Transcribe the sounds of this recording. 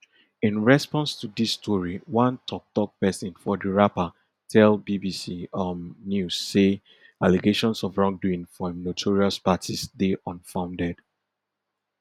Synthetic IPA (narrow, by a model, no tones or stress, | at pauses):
ĩnɹɛspɔ̃nstudistʰɔɹiwãntʰɔk̚tɔk̚pɛsɔ̃nfɔdəɹapa | tʰɛlbibisiɔmnjusːe | aliɡeʃɔ̃nsɔvɹɔ̃ŋduĩŋfɔnotʰɔɹiaspatʰisdeʔɔ̃nfãʊ̃ndɛd̥